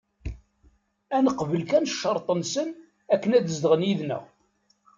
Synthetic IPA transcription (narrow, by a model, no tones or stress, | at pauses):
ænəqvəlkænʃːəɾˤt̪ˤənsən | ækːənæðəzd̪əʁənjiðnə̰ʁ